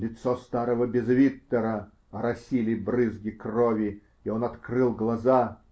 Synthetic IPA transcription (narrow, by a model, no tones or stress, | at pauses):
lʲɪt̪sost̪aɾəvəbʲɪzvʲit̪ːəɾə | ɐɾɐsʲilʲɪjbrɨzɡʲɪkrovʲɪ | ionɐt̪krɨlˠɡlˠɐza